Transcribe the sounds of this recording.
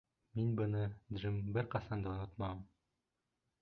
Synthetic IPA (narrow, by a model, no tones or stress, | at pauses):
minbɤ̆nɤd̪ʒimbɘɾqɑsɑnd̪ɑŏnot̪mɑɤm